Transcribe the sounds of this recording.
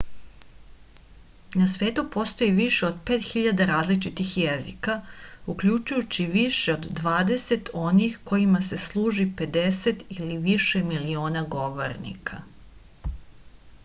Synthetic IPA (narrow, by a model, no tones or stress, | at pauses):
nasʋeːt̪upo̞st̪o̞jiʋiʃeod̪peːt̪xiʎad̪aɾaːzlit͡ʃit̪ixjezikaukʎut͡ʃujut͡ɕiʋiʃe̞od̪ːʋaːd̪e̞se̞t̪o̞nixko̞jimase̞slˠuːʒipe̞d̪e̞set̪iliʋiʃemilio̞ːnaɡo̞ʋo̰ɾnḭkʰa